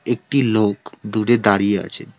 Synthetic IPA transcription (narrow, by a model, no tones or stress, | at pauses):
ek̚ʈilokd̪uɾed̪aɾijea̰t͡ɕʰḛ